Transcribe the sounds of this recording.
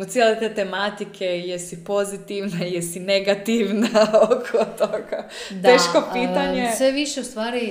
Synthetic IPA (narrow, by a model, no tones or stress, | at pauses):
t̪sʲjelet̪et̪emat̪ikʰejesipo̞zit̪iʋnajesineɡat̪iʋnaokʰot̪oɡadt̪eːʃkopiːt̪aɲessʋeʋiʃeust̪ʋaːɾi